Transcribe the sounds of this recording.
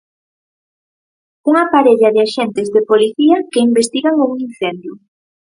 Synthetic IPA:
uŋapaɾeʎaðɪaʃent̪ɪzðepoliθiɐkeimbest̪iɣaŋuŋin̟θend̪jʊ

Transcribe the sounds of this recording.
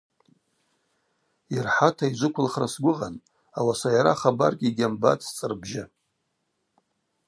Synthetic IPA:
irħatʰaizʷʊkʷʰʊlχrasɡʷʊʁan | awasajaɾaχaba̰rkʲʼiɡʲamba̰tʰʼst͡sʼɨrbʒa

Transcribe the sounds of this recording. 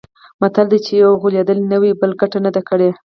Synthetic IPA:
mat̪ald̪et͡ʃejawɣuljed̪əlinəwibəlɡaʈanad̪akəɽe

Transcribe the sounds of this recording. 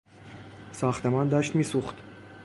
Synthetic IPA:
sɒːxt̪ʰemɒːnd̪ɒːʃt̪miːsuxt̪

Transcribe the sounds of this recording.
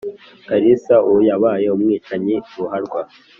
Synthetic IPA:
kaɾisaujaβaːjeumŋiːt͡ʃaɲiɾuɦaɾɡwa

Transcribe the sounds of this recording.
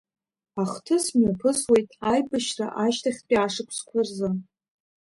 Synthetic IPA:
aχtʰɨsmapʰɨswejtʼajpʼɨʃra̰ʔaʃtʰaχʲpʲʼiaʂɨkʷʰskʷʰarzɨ

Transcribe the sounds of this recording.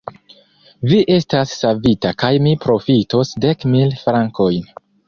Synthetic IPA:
viʔe̞stasːavitakajmipɾo̞fito̞sde̞kmilfɾaŋko̞jn

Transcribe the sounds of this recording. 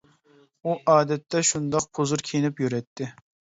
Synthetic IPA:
uʔɑːd̪ɛt̪ʰːɛʃund̪ɑq̚pʰozuɾkʲʰenɪpjyɾɛt̪ʰːɪ

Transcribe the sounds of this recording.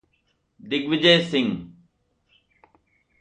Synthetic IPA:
d̪ɪɡʋɪd͡ʑeːsɪŋ

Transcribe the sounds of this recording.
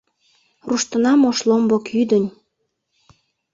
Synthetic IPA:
ruʃt̪ənɑmoʃlombokjyd̪ənʲ

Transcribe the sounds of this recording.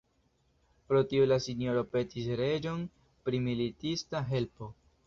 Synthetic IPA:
pɾo̞tiolasinjo̞ɾo̞pe̞tisɾe̞d͡ʒo̞n | pɾimilitistaɦe̞lpo̞

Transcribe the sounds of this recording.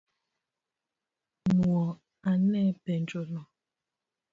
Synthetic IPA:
muɔ | anɛpɛn̩d͡ʒolɔ

